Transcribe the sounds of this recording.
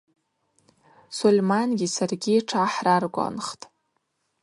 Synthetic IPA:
solʲmanɡʲisarɡʲiʈ͡ʂʰaħrarɡʷʼa̰nχtʼ

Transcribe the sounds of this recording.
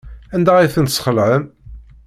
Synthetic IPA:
ænd̪æiθənt̪sχəlʕəm

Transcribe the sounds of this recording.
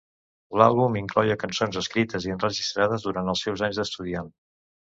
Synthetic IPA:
la̰lˠβumiŋklɔjəkənsonzəskɾit̪əziənrəʒist̪ɾað̞əzðuɾant̪əlˠsɛwzaɲzðəst̪uðian

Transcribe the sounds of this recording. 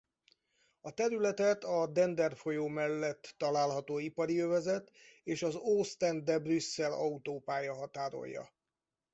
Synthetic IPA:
ɒt̪ɛɾylɛt̪ɛt̪ɒd̪ɛnd̪ɛrfo̞joːmɛlːɛt̪ːɒlaːlɦɒt̪oːipɒɾiøvɛzɛt̪eːʃɒzoːst̪ɛnd̪ɛbrysːɛlɒut̪oːpaːjɒɦɒt̪aːɾo̞̰jːɒ̰

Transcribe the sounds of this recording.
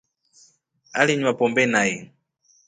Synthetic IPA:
a̰liɲwapɔmbɛnajɛ

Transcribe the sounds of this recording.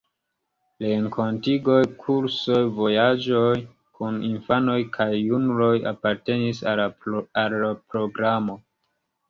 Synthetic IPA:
ɾe̞ŋkʰo̞ntiɡo̞jkʰuɾso̞jvo̞jad͡ʒo̞j | kʰuninfano̞jkʰajːunulo̞ja̰paɾte̞nis | alːapɾo̞ɡɾamo̞

